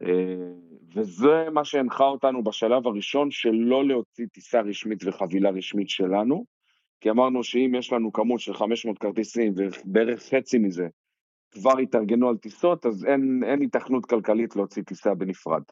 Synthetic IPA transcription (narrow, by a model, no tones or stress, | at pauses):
ʔeve̞zemaʃeːnχao̞tanubaʃalavaʁiʃo̞nʃe̞lo̞leo̞t͡sit̪isaʁiʃmitve̞χavilaʁiʃmitʃe̞lanu | kiamaʁnuʃeimjeʃlanukamutʃe̞lχameʃmo̞ːt̚kaʁt̪esimvebeeʁe̞χːe̞t͡simize̞ | kvaʁit̪aʁɡe̞nualtiso̞t̪azene̞nit̪aχnut̪kalkalitleo̞t͡sit̪isabe̞nifʁa̰d